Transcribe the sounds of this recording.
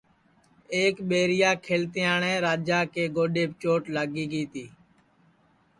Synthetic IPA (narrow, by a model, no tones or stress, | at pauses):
eːkɓeːɾɪjaːkʰeːlt̪ɪjaːɳɛ̃ːɾaːd͡ʒaːkeːɡoːɗeːpt͡ʃoːʈlaːɡiːɡiːt̪iː